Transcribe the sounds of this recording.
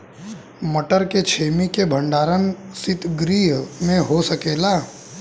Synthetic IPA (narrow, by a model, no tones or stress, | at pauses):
məʈəɾket͡ʃʰeːmikebʱə̃ɳɖaːɾənsɪt̪ɡɾiːɦmẽɦosəkeːlaː